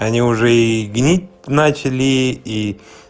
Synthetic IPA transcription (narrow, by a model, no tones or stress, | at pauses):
ɐnʲiʊʐɛiɡnʲit̚ʲnat͡ɕɪlʲii